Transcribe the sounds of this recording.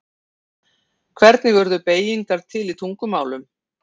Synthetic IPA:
kʰvɛɾt̪nɪvœɾðʏpeːjiŋkaɾ̥t̪ʰɪlit̪ʰuŋkʏmaːwlʏm

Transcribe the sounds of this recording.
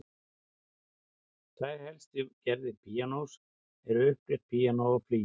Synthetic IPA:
θʰajɾhɛlst̪ɪcɛɾðɪpʰijanoːws | ɛɾʏʏhpɾɛht̪̚pʰiːjanɔapʰliː

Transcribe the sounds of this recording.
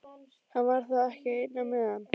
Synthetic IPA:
hanvaɾ̥θaðɛhcɪejt̪namɛðanː

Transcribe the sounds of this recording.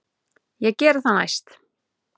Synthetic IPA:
jɛɣcɛːɾθana̰jst̪

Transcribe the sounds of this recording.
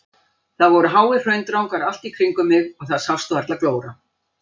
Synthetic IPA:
θaðvɔɾʏɦaːwɪr̥œɥnt̪ɾawŋkaɾal̥t̪ikʰɾiŋkʏmːɪɣɔɣθaðsawfst̪ʏaɾt̪laðkloːwɾa

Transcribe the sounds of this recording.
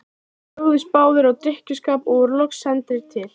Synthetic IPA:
owðɪspaːwðɪɾɔɣt̪ɾɪhcʏskaːpɔɣʏɾlɔksɛnt̪ɪɾ̥t̪ʰɪl̥

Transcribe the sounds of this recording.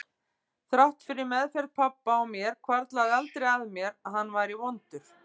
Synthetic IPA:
θɾawht̪fɪɾɪɾmɛðfɛɾt̪pʰapːaawmjɛɾ̥kʰvaɾt̪laðɪalt̪ɾɛjɣaðmjɛɾaðhanːvajɾivɔnt̪ʏɾ̥

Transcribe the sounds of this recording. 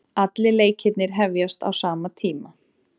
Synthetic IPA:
at̪lɪleːjcʰɪt̪nɪɾ̥ɦɛvjast̪a̰wsaːmat̪ʰiːma

